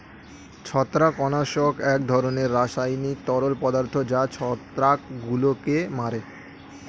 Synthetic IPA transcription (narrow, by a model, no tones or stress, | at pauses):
t͡ɕʰɔt̪ːɾakɔnaʃokɛk̚d̪ʱɔɾoneɾːaʃajnit̪ɔɾolpɔd̪aɾt̪ʰod͡ʑat͡ɕʰɔt̪ɾakɡulokemaɾe